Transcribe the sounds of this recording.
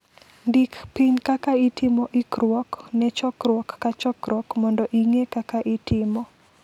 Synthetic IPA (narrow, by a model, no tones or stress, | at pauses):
ndikpiɲkakaitɪmɔʔikɾwɔknɛt͡ʃɔkɾwɔkːat͡ʃɔkɾwɔkmɔndɔʔiŋekakaʔitʰɪmɔ